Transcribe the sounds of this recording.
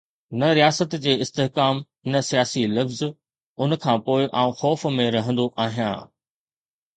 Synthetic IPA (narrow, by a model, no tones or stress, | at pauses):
nɐɾijaːsət̪d͡ʑeːɪst̪eɦkaːm | nɐsijaːsilɐfz | ʊnkʰãːpoːɪʔaːũxɔːfmẽɾɐɦə̃nd̪oʔaːɦijã̰ː